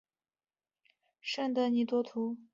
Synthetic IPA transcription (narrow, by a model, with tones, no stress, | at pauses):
ʂə˥ŋd̪ə˨ni˨˩t̪wɔ˥t̪ʰu˧˥